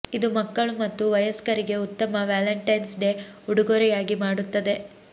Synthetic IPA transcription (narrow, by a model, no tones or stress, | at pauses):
id̪umɐkːɐɭumɐt̪ːuʋɐjɐskɐɾiɡe̞ut̪ːɐmɐʋaːlɐɳʈɐjnsɖe̞uɽuɡoːɾɛjaːɡimaːɽut̪ːɐd̪e̞